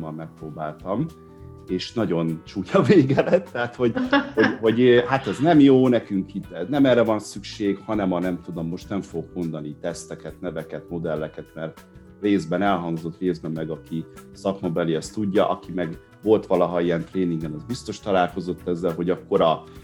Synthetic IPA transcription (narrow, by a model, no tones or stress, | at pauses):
ɒmːɛk̚proːbaːlt̪ɒm | eːʃnɒɟo̞nt͡ʃuːcʰɒveːɡɛlɛt̪ːɛat̪ho̞ɟhoɟɦo̞ɟøhat̪ɛznɛmjoːnɛkyŋkit̪ːɛnɛmɛːrːɛvɒnsykʃeːɡhɒnɛmɒnɛmt̪ud̪o̞mːo̞ʃt̪nɛɱfoɡkmo̞nd̪ɒnit̪ɛst̪ɛkɛt̪nɛvɛkɛt̪mo̞d̪ɛlːɛkɛt̪mɛr | reːzbɛnɛlɦɒŋɡzo̞t̪reːzbɛmːɛɡɒkisɒkmɒbɛliɛst̪uɟːɒʔɒkimɛɡ | vo̞lt̪ʋɒlɒɦɒijɛnt̪reːniŋɡɛnɛzbist̪o̞ʃt̪ɒlaːlko̞zo̞t̪ːɛzːɛlɦo̞ɟɒkːo̞ɾɒ